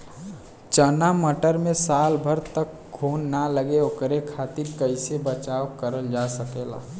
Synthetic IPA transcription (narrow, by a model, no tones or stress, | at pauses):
t͡ʃənaməʈəɾmẽsaːlbʱəɾt̪ək | ɡʰʱunːaləɡeokɾekʰaːt̪iɾkəɪsebət͡ʃaːwkəɾəld͡ʒasəkela̰